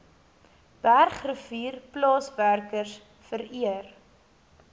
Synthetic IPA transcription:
b̥ærχrəfiːrplɑːsværkərs | fəɾiər

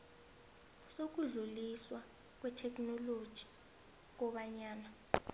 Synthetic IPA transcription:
sok̬uɮuliswa | k̬wɛtʰɛk̬ʼnɔlod̥ʒ̥ʱi̥ | k̬ɔɓaɲaːna

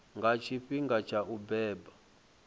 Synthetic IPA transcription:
ŋɡat͡ʃʰiɸiŋɡat͡ʃʰaʔubɛːba

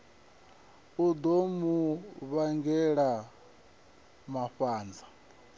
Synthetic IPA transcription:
ud̪omuβaŋɡɛɺa | maɸaːnd͡za

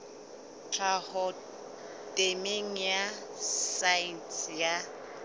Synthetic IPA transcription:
t͡ɬʰahɔ | tʼemeŋ̩jasainsja

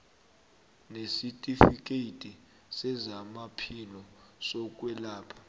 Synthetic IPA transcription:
nesitʼifik̬ʼeitʼi | sɛzamapʰilɔsɔk̬ʼwɛlaːpʰḁ

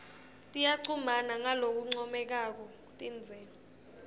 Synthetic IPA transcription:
tʼijaǀʰumanaŋalok̬uŋ͡ǀɔmɛk̬ak̬ɔ | tʼind͡zʱɛːla

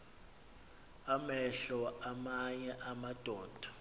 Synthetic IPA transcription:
amɛɬɔamaɲɛʔamad̥ʼʱɔːd̥ʱḁ

